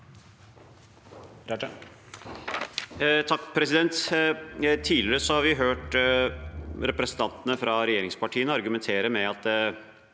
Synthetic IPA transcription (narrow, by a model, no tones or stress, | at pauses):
t̪ʰɑkːpʰɾɛsɪd̪ɛnt̪ | t̪ʰiːlɪɾəsɔhɑɾʋɪɦøːʈ | ɾɛpɾɛsn̩t̪ʰɑnt̪ənəfɾɑɾɛjeːɾɪŋspɑʈʰiːənəɑɾɡʉmɛnt̪ʰeːɾəmɛɑt̪̚